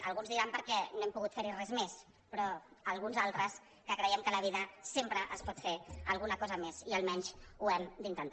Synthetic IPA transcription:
əlˠɣunzðiɾampəɾkɛnoɛmpuɣut̪feɾirɛzmes | pɾɔəlˠɣunzalˠt̪ɾəs | kəkɾəjɛmkələβ̞iðəsempɾəʔəspɔt̪feəlˠɣunəkɔzəmeziəlˠmɛɲsuɛmd̪int̪ənt̪

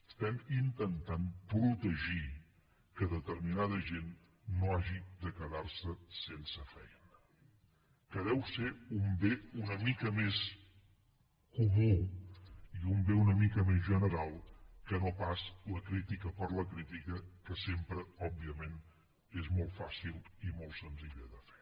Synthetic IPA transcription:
əst̪ɛmint̪ənt̪anpɾut̪əʒi | kəðət̪əɾminaðəʒenː | oaʒid̪əkəðaɾsəsensəfɛjnə | kəðɛwseumbeunəmikəmes | kumu | iumbeunəmikəmezʒənəɾalˠkənopasləkɾit̪ikəpəɾləkɾit̪ikəkəsempɾəɔbːiəmen | ezmɔlˠt̪fasilˠimɔlˠt̪sənziʎəðəfe̥

